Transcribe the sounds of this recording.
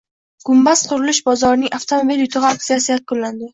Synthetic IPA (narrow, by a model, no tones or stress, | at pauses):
ɡ̥ʊmbasqʰʊɾɪlɪʃbɒzɒɾɪnɪŋʔaft̪ʰomobiljʊt̪ʰʊʁak̚sijasɪjakʰːʊlːand̪ɪ